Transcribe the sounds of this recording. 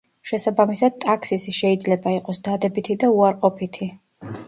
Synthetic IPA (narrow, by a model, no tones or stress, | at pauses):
ʃɛsabamisad̪̚t̪ʼakʰsisiʃɛid̪zlɛbaiqʼɔsd̪ad̪ɛbit̪ʰid̪auaɾqʼɔpʰit̪ʰi